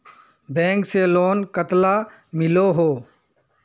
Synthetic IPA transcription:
bɛ̃ːŋkseloːnkət̪laː | mɪloːɦoː

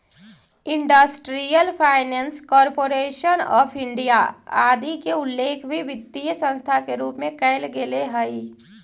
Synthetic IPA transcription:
ɪ̃ɳɖəsʈɾijəlpʰaːɪnɛ̃ːnskɔːɾpoːɾeːʃənɔ̰ːpʰɪ̃ɳɖijaaːd̪ikeʊlːeːkʰbʱiʋɪt̪ːijsə̃nst̪ʰakeɾuːpmẽkəːlɡeleɦəi

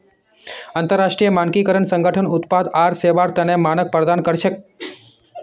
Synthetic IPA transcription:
ant̪əɾːaʂʈɾijəmankikəɾəɳsə̃ŋɡʱəʈʰənʊt̪pad̪aɾseʋaɾt̪ənemanək̚pɾəd̪ankəɾʃek

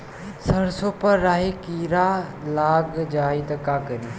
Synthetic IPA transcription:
sɐɾsopɐɾːaːɦikiːɾalaːɡd͡ʒaːit̪ɐkaːkəɾiː

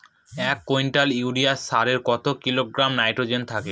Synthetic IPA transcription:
ɛkkːojnʈaliuɖiasaɾeɾkɔt̪okiloɡɾamnajʈɾod͡ʑent̪ʰake

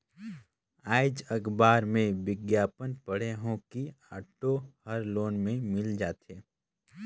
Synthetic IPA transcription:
aːɪd͡ʒɐɡbaːɾmẽʋɪɡjaːpənpəɽ̤eɦõki | a̰ːʈohəɾloːnmẽmɪld͡ʒaːt̪eː

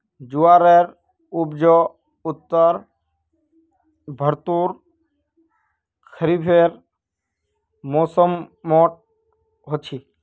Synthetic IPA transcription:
d͡ʒuaːɾeɾ | ubd͡ʒɔ | ʊt̪ːəɾ | bʱəɾt̪uɾ | kʰəɾibʰʱeɾ | moːsəmːɔʈ̚ | ɦot͡ʃʰi

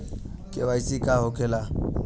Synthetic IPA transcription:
kʼɪβaisɪkʼahʊkʰɛla

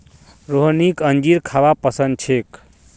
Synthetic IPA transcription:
ɾoɦnikənd͡ʒiɾkʰaβapəsənd̪̚t͡ʃʰek

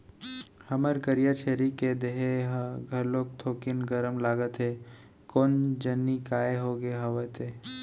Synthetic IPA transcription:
hɐməɾkəɾijat͡ʃʰeːɾiked̪eɦeɦɡʱɐɾloːɡ̚t̪ʰoːkɪnɡəɾəmlaːɡət̪ɦeː | koːnd͡ʒɐnːikaːeɦoːɡeɦɐʋət̪ʰeː

